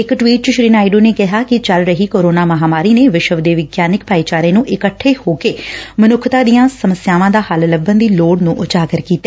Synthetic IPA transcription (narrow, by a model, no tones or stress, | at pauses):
ɪkʈʋiːʈ̚t͡ʃəʃɾiːnaːiɖuːneːkɪɦaːkɪt͡ʃəlɾəɦiːkoːɾoːnaːməɦaːmaːɾiːneːʋɪʃəʋd̪eːʋɪɡjaːnɪkpaːiːt͡ʃaːɾẽːnũːʔɪkəʈʰːeːhoːkeːmənʊkʰt̪aːd̪ijãːsəməsjaːʋãːd̪aːhəlləbənd̪iːloːɽnũːʔʊt͡ʃaːɡəɾkiːt̪ːeː